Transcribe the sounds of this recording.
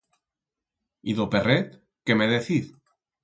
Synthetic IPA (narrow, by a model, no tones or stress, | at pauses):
iðoperet̪̚ | kemeðeθið